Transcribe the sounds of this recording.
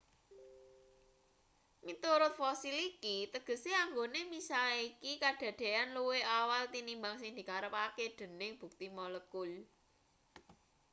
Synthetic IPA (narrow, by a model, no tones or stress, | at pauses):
mit̪uɾʊt̪̚fɔsilikit̪əɡ̥ə̤seaŋɡonemisalikikaɖ̪̥ä̤d̪̥e̤anluweawalt̪inimbaŋsɪŋd̪̥i̤kaɾəpaked̪̥ə̤nɪŋb̥ṳk̚t̪imɔləkul